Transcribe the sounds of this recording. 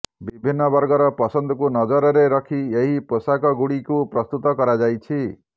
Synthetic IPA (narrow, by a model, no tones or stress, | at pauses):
bibʱinːɔbɔɾɡɔɾɔpɔsɔnd̪ʱɔkunɔd͡ʒɔɾɔɾeɾɔkʰieɦiposakɔɡuɽikupɾɔst̪ut̪ɔkɔɾad͡ʒajt͡ʃʰi